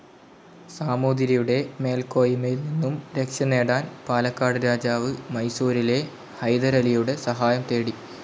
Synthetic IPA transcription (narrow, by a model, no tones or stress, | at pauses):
saːmoːd̪iɾɐjuɽe̞me̞ːlko̞ːjimejilninːumɾe̞kʂjɐne̞ːɽaːnpaːlɐkːaːɽɨɾaːd͡ʑaːʋɨmɐjsuːɾile̞ | hɐjd̪ɐɾɐlijuɽe̞sɐɦaːjɐmt̪e̞ːɽi